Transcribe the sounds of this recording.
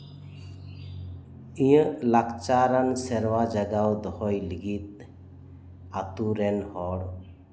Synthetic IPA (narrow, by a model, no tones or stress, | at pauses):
ijə̃lakt͡ʃaɾansɛɾwad͡ʒaɡawd̪ɔhɔjliɡit̪̚ | at̪uɾɛnhɔɽ